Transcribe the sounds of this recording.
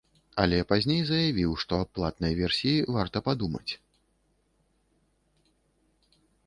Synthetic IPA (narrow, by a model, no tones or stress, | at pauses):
ɐlʲɛpazʲnʲejzɐjavʲiwʂt̪ɔaplˠat̪nɐjvʲɛrsʲiivart̪ɐpad̪umɐ̰t͡sʲ